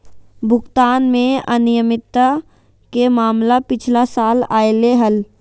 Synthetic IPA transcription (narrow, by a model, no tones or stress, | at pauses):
bʱʊkt̪aːnmẽənɪjəmɪt̪ːa | kemaːmlapɪt͡ʃʰlasaːlaːeleɦəl